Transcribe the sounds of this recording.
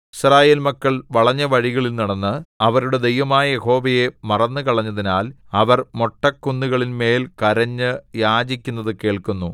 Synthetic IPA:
iɕraːje̞ːlmɐkːɐɭʋɐɭɐɲːɐʋɐɻiɣɐɭilniɽɐnːɨɐʋɐɾuɽe̞d̪ejʋɐmaːjɐjeho̞ːʋɐje̞mɐrɐnːɨkɐɭɐɲːɐðinaːl | ɐʋɐrmo̞ʈːɐkːunːuɣɐɭinme̞ːlkɐɾɐɲːɨjaːd͡ʑikʲːunːɐðɨke̞ːɭkunːu

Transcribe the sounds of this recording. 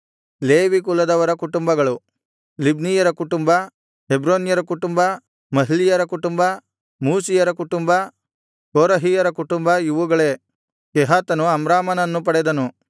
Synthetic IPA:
leːʋikulɐd̪ɐʋɐɾɐkuʈumbɐɡɐɭu | libnijɐɾɐkuʈumbɐ | hebɾoːnjɐɾɐkuʈumbɐ | mɐɦilijɐɾɐkuʈumbɐ | muːsijɐɾɐkuʈumbɐ | koːɾɐɦijɐɾɐkuʈumbɐiʋuɡɐɭe̞ | keɦaːt̪ɐnuɐmɾaːmɐnɐnːup̬ɐɽɛd̪ɐnu

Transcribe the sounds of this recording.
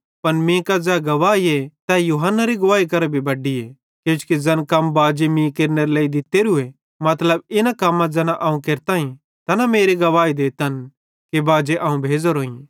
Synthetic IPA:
pɐnmĩːkad͡zɛːɡɐʋaːiet̪ɛjuːɦənːaɾiɡʊʋaːik̬ɐɾebʱibɐɖie | kjõːt͡ʃkid͡zɐnkɐmbaːd͡ʒemĩːkeːɾneɾeleːid̪ɪt̪ːeɾue | mɐt̪ləbɪnakɐmːãd͡zɛːnaʔɐũkeːɾt̪aːĩ | t̪ɐnameːɾiɡɐʋaːid̪eːt̪ɐn | kebaːd͡ʒeʔɐːũbʱeːd͡zoɾoːĩ

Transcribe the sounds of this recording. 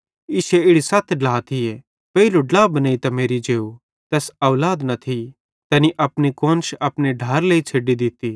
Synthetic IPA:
ɪʃeɪɽisɐt̪ʰɖaːt̪ʰɪje | pɐiluɖlaːbɐnaːit̪ɐmeːɾid͡ʒeːu | t̪ɛːsɐːlaːd̪nɐt̪ʰi | t̪ɛniʔɐpnikõːnʃɐpneɖʱɐɾleit͡ʃʰeɖid̪ɪt̪i

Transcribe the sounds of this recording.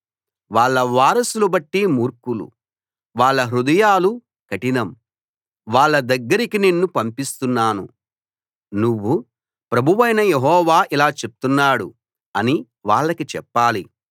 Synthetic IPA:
ʋaːɭːɐʋaːɾɐsulubɐʈːimuːɾkulṵ | ʋaːɭːɐɦɾud̪ɐjaːlu | kɐʈinɐm | ʋaːɭːɐd̪ɐɡːɐɾikinenːupɐmpist̪unːaːnu | nuʋːu | pɾɐbʱuʋɐjnɐjeɦɔːʋaːʔilaːt͡ʃep̚t̪unːaːɽu | ɐni | ʋaːɭːɐkit͡ʃɛpːaːli

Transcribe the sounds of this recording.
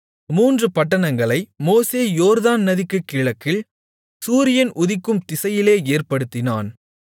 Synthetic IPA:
muːndrɯpɐʈːɐnɐŋɡɐɭɐɪmoːseːjoːɾðaːnnɐðɪkːɯkːɪɭɐkːɪɭ | suːɾɪjɐnʔʊðɪkːɯmt̪ɪsɐjɪleːeːrpɐɽɯt̪ːɪna̰ːn

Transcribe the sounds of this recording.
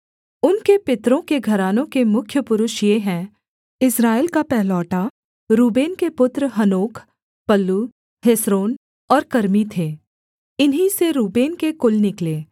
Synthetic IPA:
ʊnkepɪt̪ɾõkeɡʱɐɾaːnõkemʊkʰjəpʊɾʊʃijeɦɛ̃ː | ɪsɾaːɪlkapɛɦlɔːʈa | ɾuːbeːnkepʊt̪ɾɦɐnoːkʰ | pɐlːu | hesɾoːn | ɔːɾkɐɾmit̪ʰeː | ɪnɦiseɾuːbeːnkekʊlnɪkleː

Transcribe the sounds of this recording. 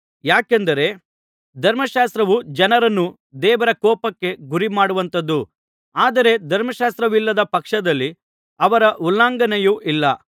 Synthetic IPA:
jaːkend̪ɐɾe̞ | d̪ʱɐɾmɐʃaːst̪ɾɐʋud͡ʒɐnɐɾɐnːu | d̪ɛːʋɐɾɐkɔːpɐkːe̞ɡuɾimaːɽuʋɐnt̪ɐd̪ːu | aːd̪ɐɾe̞d̪ʱɐɾmɐʃaːst̪ɾɐʋilːɐd̪ɐpɐkʂɐd̪ɐlːi | ɐʋɐɾɐʔulːaːŋɡɐnejuʔilːɐ

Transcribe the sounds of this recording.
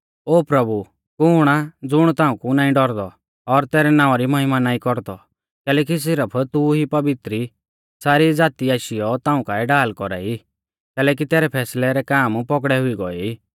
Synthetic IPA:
oːpɾɐbu | kʊːɽ̃ad͡zʊɽ̃t̪ãːũkunaːĩɖɔɾd̪ɔ | ɔɾt̪ɛːɾɛnaːɔɾimɐɦɪmanaːikɔɾd̪ɔ | kɛːlɛːk̬is̬ɪɾəpʰt̪uɦipɐbɪt̪ɾi | saːɾid͡zaːt̪iaːʃijɔt̪ãːũkaːɛɖaːlkɔɾa̰i | kɛːlɛːk̬it̪ɛːɾɛpʰɛːslɛɾɛkaːmpɔk̬ɽɛɦʊiɡɔ̰ɛ̰iː

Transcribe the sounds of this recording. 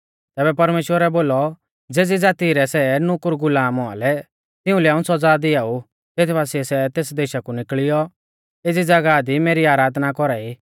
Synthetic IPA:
t̪ɛːbɛpɐɾmeːʃwəɾɛboːlɔ | d͡zeːd͡zid͡zaːt̪iɾɛsɛnʊkʊɾɡʊlaːmɔa̰lɛ | t̪ɪ̃ʊ̃lɛaːũsɔd͡zaːd̪iaːu | t̪eːt̪ʰbaːsiɛsɛt̪eːsd̪eːʃakunɪkɭɪjɔ | eːd͡zid͡zɐɡad̪imeːɾiaːɾaːd̪nakɔɾaiː

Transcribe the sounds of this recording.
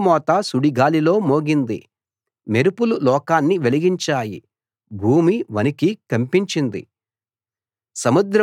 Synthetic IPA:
mɔːt̪asuɽiɡaːlilo̞ːmo̞ːɡind̪ḭ | me̞ɾupululɔːkaːnːiʋeliɡiɲt͡ʃaːjḭ | bʱuːmiʋɐnikikɐmpiɲt͡ʃind̪ḭ | sɐmud̪ɾɐ

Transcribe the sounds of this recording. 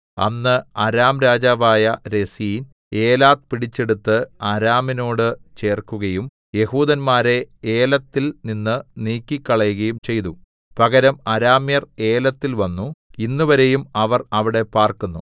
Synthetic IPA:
ɐ̰nːɨɐɾaːmɾaːd͡ʑaːʋaːjɐɾe̞sijin | e̞ːlaːt̪̚piɽit͡ɕːe̞ɽut̪ːɨɐɾaːmino̞ːɽɨt͡ɕe̞ːrkːuɣɐjum | je̞huːd̪ɐnmaːɾe̞eːlɐt̪ːilninːɨniːkʲːikʲːɐɭɐjuɣɐjumt͡ɕe̞jt̪u | pɐɣɐɾɐmɐɾaːmjɐre̞ːlɐt̪ːilʋɐnːuinːuʋɐɾe̞jumɐʋɐrɐʋiɽe̞paːrkunːu

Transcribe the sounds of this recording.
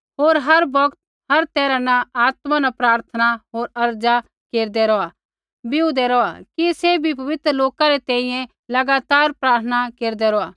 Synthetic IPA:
ɦoːɾɦɐɾbɐkt̪̚ | ɦɐɾt̪ɛːɾãnaaːt̪mãnapɾaːɾt̪ʰənaɦoːɾɐɾd͡ʒa | keːɾd̪ɛɾɔa | bɪud̪ɛɾɔakisebʱip̬ɐʋɪt̪ɾəloːkaɾet̪ɛ̃ːĩjɛ̃ | lɐɡaːt̪aːɾpɾaːɾt̪ʰənakeːɾd̪ɛɾɔaː

